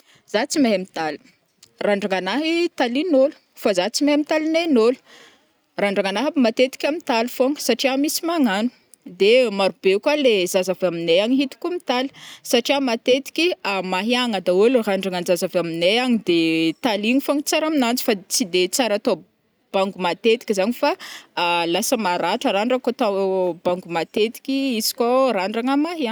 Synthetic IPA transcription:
z̥at͡simaɦamit̪ali̥ | raɳɖ͡ʐaŋanaɦit̪alinolu̥ | fazat͡simaamit̪alinenolu̥ | raɳɖ͡ʐaŋanaɦabimat̪et̪i̥kʲamit̪alufoŋə̥saʈ͡ʂiamisimaŋanu̥ | d̪emaɾubekalezazavamineaɲiɦit̪u̥kumit̪ali̥saʈ͡ʂiamat̪et̪i̥kʲiamaɦiaŋad̪aeluraɳɖ͡ʐaŋanzazavamineaɲid̪et̪aliŋifoŋit͡saɾaminant͡si̥fat͡sid̪et͡saɾat̪o | b̥aŋɡumat̪et̪i̥kʲizanifa | lasəmaɾaʈ͡ʂəɾaɳɖ͡ʐakot̪abaŋɡumat̪et̪i̥kʲiiz̥i̥koraɳɖ͡ʐaŋamaɦia

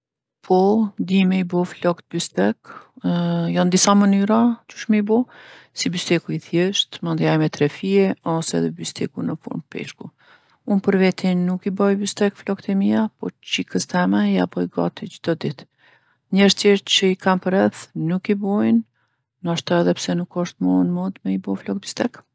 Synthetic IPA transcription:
pʰɔd̪imɛibɔflɔkt̪̚byst̪ɛk | jɔnd̪isamənyɾad̪uʃmɛibɔsibyst̪ɛkuiθjɛʃt̪mand̪iajmɛt̪ɾɛfiɛɔsɛ̰ðɛbyst̪ɛkunəfṵɾnpɛ̰ʃku | unpəɾvɛt̪inːukibɔjbyst̪ɛkflɔkt̪ɛmiapɔt͡ɕikəst̪ɛmɛja̰pɔiɡa̰t̪id͡ʑd̪̥ɔd̪it̪ | ɲəɾt̪jɛt͡ɕəikʰampəɾɛθnukibɔjnː | aʃt̪ɔɛðɛpsɛnukɔʃt̪mɔnmɔd̪mɛibɔflɔk̚bist̪ɛk

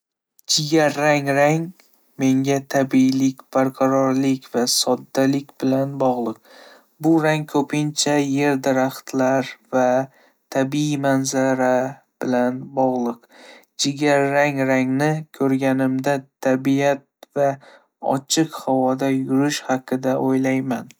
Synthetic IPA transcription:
d͡ʒɪɡʲaɾːaŋɾaŋ | me̞ŋɡʲat̪ʰabilɪkʲb̥aɾqʰɑɾɒɾlɪkʲvasɒd̪ːalɪkʲb̥ɪlanbɒʁlˠɨq̚ | bʊɾaŋkʰɵpʰɪnt͡ʃʰaje̞ɾd̪ɪɾaχt̪ʰlaɾva | t̪ʰabimanzaɾa | b̥ɪlanbɒʁlˠɨq | d͡ʒɪɡʲaɾːaŋɾaŋnɪkʲʰɵɾɡʲanɪmd̪at̪ʰabijat̪̚va | ɒ̰t͡ʃʰɨqhawɒd̪ajʊɾɪʃhɑqʰɨd̪aʔojlajman

